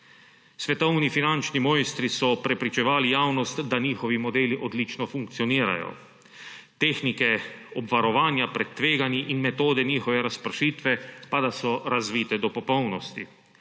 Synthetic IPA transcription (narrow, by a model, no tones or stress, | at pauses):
sʋɛt̪ɔwnifinant͡ʃnimɔːjst̪ɾisɔpɾɛpɾit͡ʃɛʋaːlijaːwnɔst̪d̪aɲiːxɔʋimɔd̪eːliʔɔd̪lit͡ʃnɔfuŋk̚t̪sijɔniːɾa̰jɔ̰ | t̪eːxnikɛɔbʋaɾɔʋaːnjapɾɛt̪ːʋeːɡanjiʔinmɛt̪oːd̪ɛniːxɔʋɛɾaspɾʃiːt̪ʋɛpad̪asɔɾazʋiːt̪ɛd̪ɔpɔpɔwnɔst̪i